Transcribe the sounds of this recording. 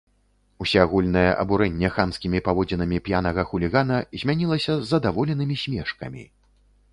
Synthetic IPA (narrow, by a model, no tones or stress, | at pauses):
usʲaɣulʲnɐjɛʔɐ̰buɾɛnʲːɛxamskʲimʲipavɔd͡zʲinɐmʲipjanɐɣɐxulʲiɣanɐzʲmʲanʲilˠɐsʲɐzːɐd̪avɔlʲɛnɨmʲisʲmʲɛʂkɐ̰mʲḭ